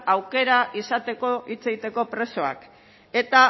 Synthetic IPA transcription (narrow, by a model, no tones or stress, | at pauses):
awke̞ɾaʔisat̪e̞ko̞it͡se̞ɣit̪e̞ko̞pɾe̞so̞a̰k | e̞t̪a